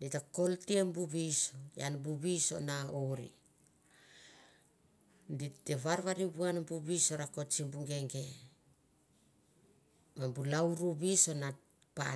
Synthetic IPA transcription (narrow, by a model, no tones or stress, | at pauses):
ditako̞ltiembuβisoja̰nbuβiso̞̰naoɾḭ | nditeβaɾβaɾibuanmbuβiso̞ɾako̞t͡ʃimbuŋɡe̞ŋɡe̞ | mambulauɾuβiso̞na | pa̰